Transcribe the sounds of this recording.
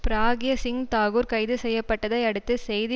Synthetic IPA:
pɪɾaːɡɪjɐsɪŋt̪aːɣuɾkɐɪðɯsɛjːɐpːɐʈːɐðɐɪɐɽɯt̪ːɯsɛjðɪ

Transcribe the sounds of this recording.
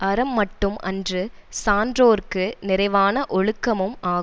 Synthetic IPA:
ʔɐɾɐmːɐʈːɯmʔɐndrɯsaːndroːrkɯnɪɾɐɪʋaːnɐʔɔɻɯkːɐmɯmaːɣɯ

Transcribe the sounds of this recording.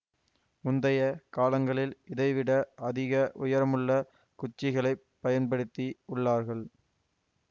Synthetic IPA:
mʊnd̪ɐjɐkaːlɐŋɡɐɭɪlɪðɐɪʋɪɽɐʔɐðɪɣɐʔʊjɐɾɐmɯɭːɐ | kʊt͡ʃːɪɣɐɭɐɪpːɐjɐnpɐɽɯt̪ːiʊɭːaːɾɣɐɭ

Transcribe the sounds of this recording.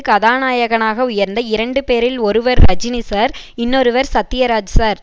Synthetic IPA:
kːɐðaːnaːjɐɣɐnaːɣɐʊjɐɾnd̪ɐɪɾɐɳɖɯpeːɾɪlɔɾɯʋɐɾːɐd͡ʒɪnisaːɾ | ɪnːɔɾɯʋɐɾsɐt̪ːɪjɐɾaːd͡ʒsaːɾ

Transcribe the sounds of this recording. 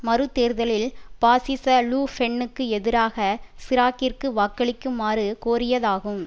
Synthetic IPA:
mɐɾɯt̪ːeːɾðɐlɪlpaːsɪsɐluːfɛɳːɯkːɯɛðɪɾaːɣɐsɪɾaːkɪrkɯʋaːkːɐɭɪkːɯmaːɾɯkoːɾɪjɐðaːɣɯm

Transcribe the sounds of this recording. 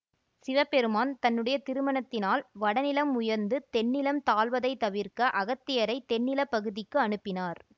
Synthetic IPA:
sɪʋɐpɛɾɯmaːnt̪ɐnːɯɽɐjɐt̪ɪɾɯmɐnɐt̪ːɪnaːlʋɐɽɐnɪlɐmʊjɐɾnd̪ɯt̪ɛnːɪlɐmt̪aːlʋɐðɐɪt̪ːɐʋɪɾkɐʔɐɣɐt̪ːɪjɐɾɐɪt̪ɛnːɪlɐpːɐɣɯðɪkːɯɐɳɯpːɪnaːɾ

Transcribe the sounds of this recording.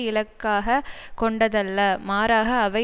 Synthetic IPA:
ɪlɐkːaːɣɐkɔɳɖɐðɐlːɐmaːɾaːɣɐːʋɐ

